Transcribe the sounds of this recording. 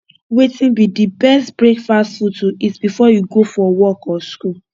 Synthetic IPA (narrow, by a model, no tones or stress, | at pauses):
wetĩnbidibɛstbɹekfastfutuisbifɔjuɡofɔwɔkɔsku